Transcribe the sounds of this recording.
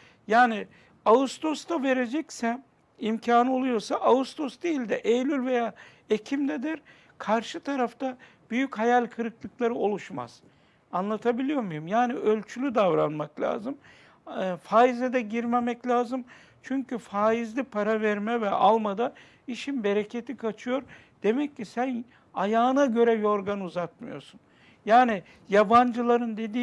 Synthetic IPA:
jaːni | aust̪ʰo̞st̪ʰave̞ɾe̞d͡ʒɛcsæn | imcʰaːnɯo̞lˠujo̞ɾsaʔaust̪ʰo̞sd̪ejilʲd̪ɛʔejlʲylʲve̞jaː | ecʰimd̪ɛd̪iɾ | kʰaɾʃɯt̪ʰaɾaft̪ʰa | b̥yjychajalʲkʰɯɾɯklˠɯklˠaɾɯo̞lˠuʃma̰z̥ | anlˠat̪ʰabilʲijo̞mujumjaːniʔølʲt͡ʃʰylʲyd̪avɾanmaklʲa̰ːzɯm | faːizɛd̪ɛɟiɾme̞mɛclʲaːzɯm | t͡ʃʰyɲcʰyfaːizlʲipʰaɾavɛɾmɛvɛʔalˠmad̪a | iʃinbe̞ɾe̞cʰe̞t̪ʰikʰat͡ʃʰɯjo̞ɾ | d̪̥e̞mɛcːisæn | ajaːɯnaɟø̞ɾɛjo̞ɾɡanuzat̪̚mɯjo̞̰ɾsun | jaːni | jaband͡ʒɯlˠaɾɯnd̪e̞d̪iː

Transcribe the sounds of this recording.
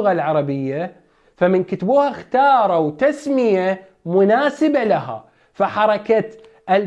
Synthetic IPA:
ʊɣalʕɑɾˤɑbɪjːa | famɪnkɪt̪buːhaxt̪ɑːɾˤɑwt̪asmɪja | mʊnaːsɪbalaɦa̰ | faħɑɾˤɑkat̪ | ʔɪl

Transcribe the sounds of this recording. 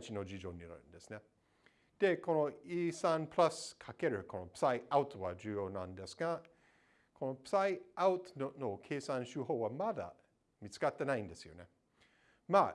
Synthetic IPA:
t͡ʃino̞d͡ʑid͡ʒo̞ːɲʲiɾa̰ɯ̰nd̪e̞sɨne | d̪̥e̞ko̞noiːsãnpɾaskʰake̞ɾɯ̟kʰo̞no̞psaiʔaɯt̪βad͡ʒɨːjo̞ːnã̰nd̪e̞sɨ̥ɡa | kʰo̞no̞psaiaʊt̪nokʰeːsãnɕɨːɦoːβamad̪a̰ | mʲit͡sɨ̥kat̪ːe̞naĩnd̪e̞sɨjo̞̰ne | ma

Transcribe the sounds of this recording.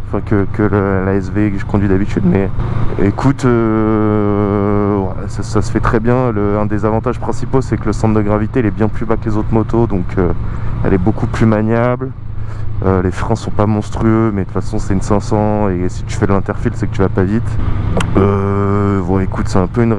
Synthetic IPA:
ɑ̃fɛ̃kəkʰələlaɛsvekəʒəkɔ̃d̪ɥid̪abit̪ʰyd̪mɛekʰut̪ø | wɛ̰ | sasasə̥fɛt̪χɛbjɛ̃ləɛ̃d̪ezavɑ̃t̪aʒ̥pχɛ̃siposɛkələsɑ̃t̪d̪əɡʁavit̪eilɛbjɛ̃plybaklezot̪χmɔt̪od̪ɔ̃kʰøɛ̰lɛbokuplymaɲjabl | ølefχɛ̃sɔ̃pamɔ̃st̪χyømɛd̪ət̪fasɔ̃sɛynsɛ̃sɑ̃esi̥t̪y̥fɛd̪əlɛ̃t̪ɛʁfilsɛkət̪yvapavit̪ | ø | vwaekut̪sɛɛ̃pøyn

